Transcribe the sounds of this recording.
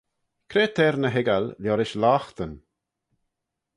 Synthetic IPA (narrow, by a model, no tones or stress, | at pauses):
kʰɾeːt̪ʰɛːɾnəɦɪɡalljɔɾɪʃlaːxt̪ən